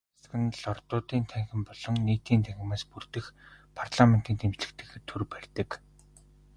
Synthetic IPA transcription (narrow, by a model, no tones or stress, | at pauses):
sxɘ̆nɮɔrt̪ʊːt̪iːnt̪ʰæŋxʲɪ̆mpɔɮɞ̆ŋniːt̪iːnt̪ʰæŋxʲɪ̆maːspurt̪ɘ̆xpʰartɮamen̥t̪iːnt̪ʰemt͡ɕɮɘ̆kt̪ɘ̆xet̪ʰurpærʲt̪ɘ̆k